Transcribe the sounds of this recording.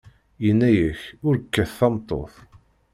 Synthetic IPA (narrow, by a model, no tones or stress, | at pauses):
jənːæjəçʊɾəkːæθːɑmt̪ˤːo̰θ